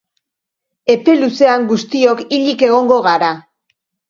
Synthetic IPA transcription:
e̞pe̞luse̞aŋɡust̪io̞kiʎike̞ɣ̞o̞ŋɡo̞ɣ̞aɾa

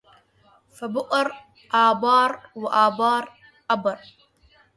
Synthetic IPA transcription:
fabʊʔʼɨɾ | ʔaːbɑːɾˤwɪʔaːbɑːɾˤ | ʔabɨɾˤ

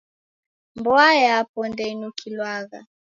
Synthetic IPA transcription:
mbɔajɛapɔndɛinukʰilwaɣa̰

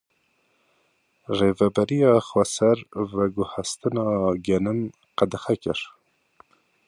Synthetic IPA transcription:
revɛbɛɾijɑːxwɛsɛɾvɛɡʊhɛst̪ɨnɑːɡɛnɨm | qæd̪ɨxɛkɪɾ

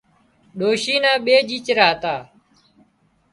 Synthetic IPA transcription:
ɗoːʃiːnãːɓeːd͡ʒiːt͡ʃɾaːt̪aː

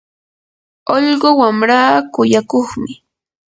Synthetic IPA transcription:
oʎɢowamɾaːkʊjakoχmɪ

